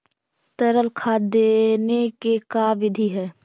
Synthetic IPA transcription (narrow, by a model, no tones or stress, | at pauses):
t̪əɾəlkʰad̪enekekaʋɪd̪ʱiɦɛː